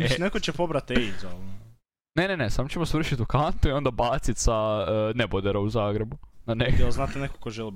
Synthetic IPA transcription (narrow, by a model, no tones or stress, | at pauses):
nekot͡ɕepobɾat̪eizol | nenenesaːmot͡ɕemosʋr̩ʃit̪ukant̪uio̞nd̪abaːt̪sit̪sanebod̪eɾauzaːɡɾe̞bunaneelznat̪eneko̥koʒeli